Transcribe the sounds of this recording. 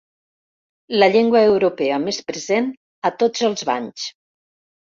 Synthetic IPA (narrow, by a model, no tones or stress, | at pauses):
ləʎeŋɡwəːwɾopɛəmespɾəzen | ət̪od͡zəlˠzβaɲs